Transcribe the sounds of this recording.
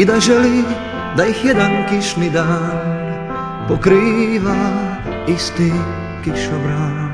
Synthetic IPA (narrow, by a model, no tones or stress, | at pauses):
id̪aʒɛli | d̪aixjɛd̪ɛnkiʃnid̪an | pɔkɾiːʋa | ist̪i | kiʃɔbɾa